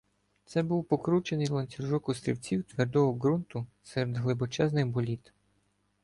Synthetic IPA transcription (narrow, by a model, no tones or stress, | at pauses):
t̪sɛbuwpɔkɾut͡ʃenɪjlˠɐnʲt͡sʲiʒɔkʊst̪ɾʲḭwt͡sʲiwt̪ʋɛrd̪ɔɦɔɡɾunt̪ʊsɛɾed̪ɦlˠɪbɔt͡ʃɛznɪxbɔlʲit̪